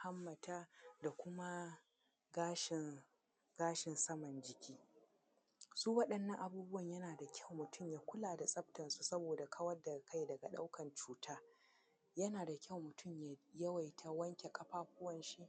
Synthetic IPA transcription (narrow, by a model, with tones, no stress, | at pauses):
ha˦mːɐ˨taː˦da˨kʷʊ˦ma˦ | ɡaː˦ʃɪ˨n | ɡ̥aː˦ʃɪ˨nsɐ˦mɐ˨nd͡ʒɪ˨kʲʰiː˦ | suː˦wɐ˦ɗɐ˦nːɐ˦ŋʔa˨buː˦bʊ˦wɐ˨ɲjɐ˦naː˨da˨kʲʰɐ˦˨wmʊ˨tʰʊ˦˨mjaː˦kʷʊ˦laː˨da˨sʼɐ˦btɐ˨nsu˦sɐ˦boː˨da˨kʰɐ˦wɐ˦da˨ka˦˨jdɐ˨ɡa˨ɗa̰˦wkɐ˨nt͡ʃuː˦tʰaː˦ | jɐ˦naː˨da˨kʲɐ˦˨wmʊ˨tʰʊ˦˨mja˨jɐ˦wa˨jtʰa˨wɐ˦ŋkʲe˨kʼɐ˦ɸaː˦ɸʊ˦wɐ˨nʃi˦